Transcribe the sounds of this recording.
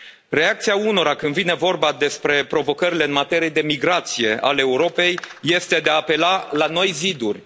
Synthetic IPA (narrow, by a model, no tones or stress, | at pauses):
re̞ak̚t̪siauno̞ɾakɨnd̪vine̞vo̞rbad̪e̞spɾe̞pɾo̞vo̞kəɾile̞ɨnmat̪e̞ɾije̞d̪e̞miɡɾat̪sije̞ʔa̰leeːuɾo̞pe̞jːe̞st̪e̞d̪eaːpe̞lalano̞jzid̪urʲ